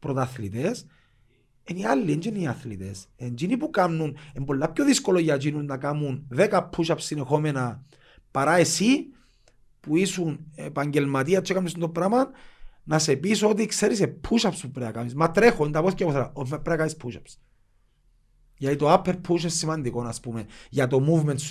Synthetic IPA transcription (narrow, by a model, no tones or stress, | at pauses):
pɾot̪aθlit̪es | enialːiend͡ʒiniɐθlḭt̪esend͡ʒinipukamnunembo̞lːapçoðiskoloʝad͡ʒinunːɐkamunðekapʰːuʃapsːinexo̞mena | paɾae̞si | puisunepaɲɟe̞lmat̪iɐt͡ʃʰːokamnisind̪opɾamɐnːɐse̞pisoot̪̬ikse̞ɾisepʰːuʃapspupɾeakamismat̪ɾexond̪ɐpoθcapoθɾa̰omapːɾeakanispʰuʃaps | ʝɐt̪it̪oapʰːeɾpʰuʃ̬esːimɐnd̪iko̞naspumeʝat̪o̞muvment̪s